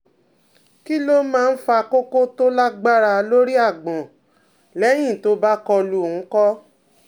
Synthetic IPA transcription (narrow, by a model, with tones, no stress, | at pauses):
ki˦lo˦mãː˦˧n̩˦fa˧ko˦ko˦to˦la˦ɡ͡ba˦ɾa˧lo˦ɾi˦a˦˨ɡ͡bɔ̃˨ | lɛ˨˦j̃ĩ˦˨to˦ba˦kɔ˧lũ˦˨˦kɔ˦